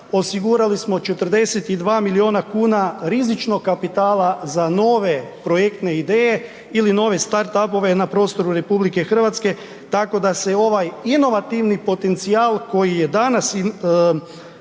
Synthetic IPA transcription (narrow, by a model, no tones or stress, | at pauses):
o̞siɡuɾalismo̞t͡ʃe̞t̪r̩d̪e̞set̪id̪ʋaːmilio̞ːnakuːnaɾizit͡ʃno̞ɡkːapit̪aːlˠazano̞ːʋe̞pɾo̞je̞k̚t̪ne̞id̪eːje̞ | ilino̞ːʋe̞st̪aɾt̪apo̞ʋe̞napɾo̞ːst̪o̞ɾuɾe̞publike̞xr̩ʋat̪ske̞ | t̪ako̞d̪ase̞o̞ʋajino̞ʋat̪iʋnipo̞t̪e̞nt̪siaːlˠko̞jije̞d̪anas